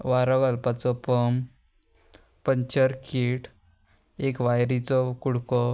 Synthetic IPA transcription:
ʋaɾɔɡəlpat͡sɔpɔm | pəɲt͡ɕəɾkʰiʈ | ekʋajɾit͡sɔkuɽkɔ

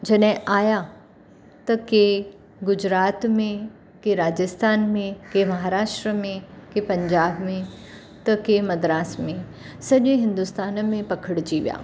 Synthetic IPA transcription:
d͡ʒɐɗɦẽʔaːja | t̪ɐke | ɡʊd͡ʑɾaːt̪mẽ | keɾaːd͡ʒəst̪ʰaːnmẽkemɐɦaːɾaːʃʈɾəmẽkepɐ̃ɲd͡ʒaːbmẽ | t̪ɐkemɐd̪ɾaːsmẽ | sɐʄẽɦɪ̃nd̪ust̪aːnmẽpɐkʰəɽt͡ʃiʋja̰ː

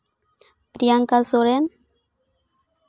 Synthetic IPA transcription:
pɾiaŋkalsoɾen

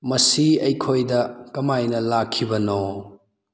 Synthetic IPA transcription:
mɐsiɐjkʰojdɐkɐmajnɐlakʰːibɐno

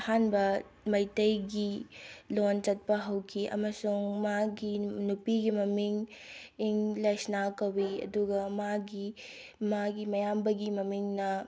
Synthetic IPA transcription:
hanbɐ | mɐjtɐjɡilont͡ʃɐt̚pɐɦɐwkʰiʔɐ̰mɐsuŋmaɡinupiɡimɐmiŋiŋlajsnakɐwiɐ̰duɡɐmaɡi | maɡimɐjambɐɡimɐmiŋnɐ

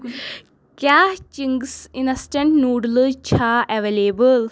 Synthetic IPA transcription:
kat͡ɕiŋɡsinɐsʈeɳʈnuːɽlət͡ɕʰaʔɛʋelebəl

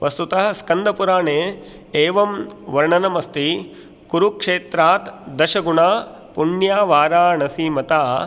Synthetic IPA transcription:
ʋʔɐst̪ut̪ɐɦɐ̆skɐnd̪ʱɐpuɾaːɳeː | eːʋɐmʋɐɾɳɐnɐmɐst̪i | kuɾukʂeːt̪ɾaːt̪d̪ɐʃɐɡuɳaː | puɳjaːʋaːɾaːnɐsiːmɐt̪aː

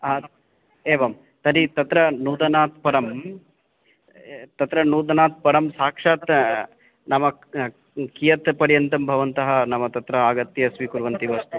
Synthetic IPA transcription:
aː | eːʋɐm | t̪ɐɾit̪ɐt̪ɾɐnuːd̪ɐnaːt̪̚pɐɾɐm | t̪ɐt̪ɾɐnuːd̪ɐnaːt̪̚pɐɾɐmsaːkʂaːt̪ | nɐmɐ | kijɐt̪pɐɾjɐnt̪ɐmbʱɐʋɐnt̪ɐɦɐnɐmɐt̪ɐt̪ɾɐaːɡɐt̪jɐsʋikuɾʋɐnt̪iʋɐst̪u

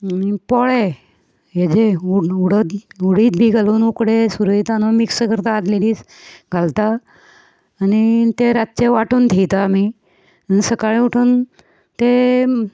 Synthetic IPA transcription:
mipɔɭe | jed͡ʑeuuɽət̪uɽiːt̪̚bʱiːɡʱaluːnukɽesuɾuit̪anomiksəkəɾt̪aːd̪leliːs | ɡʱalt̪aː | nit̪eɾat̪t͡ɕeʋaʈuːnt̪ʰijt̪ami | səkaɭĩuʈʰuːn | t̪e

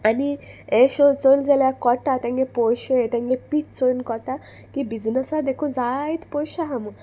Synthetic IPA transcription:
anieɕot͡sojld͡zaljakɔʈat̪ãŋɡẽpɔjɕet̪ãŋɡepiːt̪t͡sojnkɔʈa | kibid͡znəsad̪ekʰud͡zait̪pɔɕaɦamu

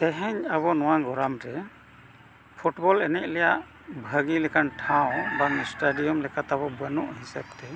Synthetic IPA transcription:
ɛɦɛɲaβɔnɔwaɡɔɾamɾɛ | pʰuʈbɔlɛnɛc̚lɛjaʔ | bʱəɡilɛkʰanʈʰãw̃bamisʈaɖijɔmlɛkʰat̪abɔbənɔʔhisɛb̚t̪ɛ

